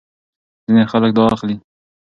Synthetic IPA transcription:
zinexalək̚d̪ɑxli

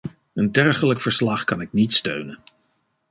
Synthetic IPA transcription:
əndɛɹχələkfəɹslɑχkɑnɪknitstø̰ɥnən

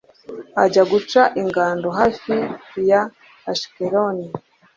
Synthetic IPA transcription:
aɟaɡut͡ʃaʔiŋɡaːndoɦafijaː | ʃi̥keɾoni

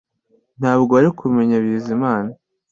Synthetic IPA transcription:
n̥haːbɡoaɾikume̞ɲaβiːzimaːna

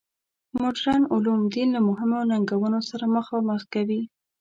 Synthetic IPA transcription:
mʊɖɾɑnʊlumd̪inlamʊɦɪmonaŋɡawənosaɾaməxɑməxkawi

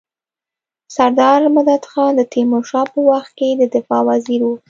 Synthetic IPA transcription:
saɾd̪ɑɾmad̪ad̪xɑnd̪ət̪emoʃɑpəwaxt̪̚ked̪əd̪ɪfɑwaziɾwu

